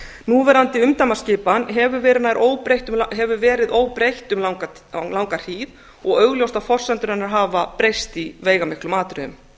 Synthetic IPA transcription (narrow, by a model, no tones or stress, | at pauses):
nuːvɛɾant̪ɪʏmt̪amascɪːpanɦɛvʏvɛːɾɪnaðɪɾʔoːwpɾejht̪ʏmlɦɛvʏvɛːɾɪðoːwpɾejht̪ʏmlawk | lawŋkaɾ̥hiːð | ɔɣœɣljowst̪afɔr̥sɛnt̪ʏɾɛnːaɾ̥ɦaːvapɾejst̪iveːjɣamɪhklʏmaːt̪ʏɾʏðʏm